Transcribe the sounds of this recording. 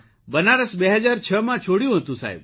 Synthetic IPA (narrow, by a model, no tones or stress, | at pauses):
bənaɾəsbeɦəd͡ʒaɾt͡ʃʰəmãt͡ʃʰoɽjũɦət̪ũsa̰ɦḭb